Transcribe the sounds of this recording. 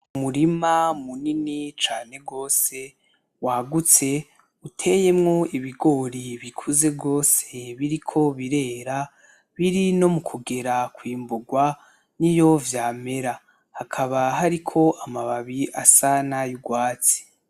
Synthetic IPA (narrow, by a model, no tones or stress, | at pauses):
umuɾimamuninit͡ʃaːne̞ɡo̞ːse̞ | waɡut͡se̞ | utʰe̞je̞mŋo̞iβiɡo̞ɾiβikʰuze̞bɡo̞ːseβiɾikʰo̞βiɾe̞ːɾa | βiɾino̞mukʰuɡe̞ɾakwiːmbuɡwa | nijo̞vjaːme̞ɾa | hakʰaβaɦaɾikʰo̞ʔamaβaβiʔasanajuɡwaːt͡si̥